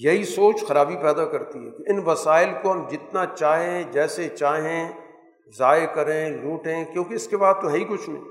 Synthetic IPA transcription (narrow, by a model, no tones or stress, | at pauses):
jɐɦisoːt͡ʃxɐɾaːbipɛːd̪akɐɾt̪iɦɛ̰ːkoɪnʋɐsaːɪlkoɦɐmd͡ʒɪt̪nat͡ʃaːɦẽd͡ʒɛːset͡ʃaːɦẽ | zaːekɐɾẽluːʈɦẽːkjõːkeɪskebaːd̪̚t̪oɦɐikʊt͡ʃʰmḛ̃ː